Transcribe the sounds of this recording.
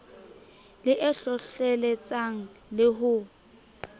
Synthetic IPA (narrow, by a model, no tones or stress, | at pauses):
lɪʔɛɬɔɬɛlɛt͡sʼaŋ̩lɪɦʊ